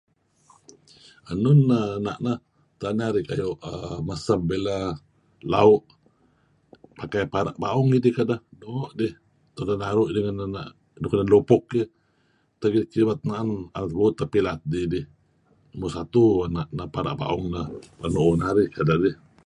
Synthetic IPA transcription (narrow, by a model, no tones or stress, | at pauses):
anunːanaʔna | t̪anaɾikajoʔamasabbela | lauʔ | pakajpaɾa̰ʔbauŋidihkadahnoːʔdih | t̪odanaɾuʔdiŋananaʔ | duknanlopɔkːi | t̪aɡikiβat̪̚naʔananat̪buːt̪ːapilat̪̚didɪh | musat̪uanaʔnapaɾa̰ʔba̰ʔuŋnapanoʔːnaɾikadadih